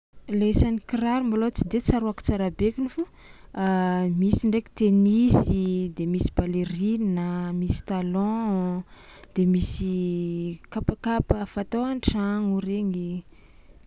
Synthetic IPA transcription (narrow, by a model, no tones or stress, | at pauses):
leesanikiɾaɾimbalot͡sid̪et͡saɾuaki̥t͡saɾabekʲinifu | misiɳɖ͡ʐeki̥t̪enisid̪emisi̥baleɾinnəmisi̥t̪alɔ̃ | d̪̥emisi | kapakapəfat̪oaɳʈ͡ʂaŋuɾeŋi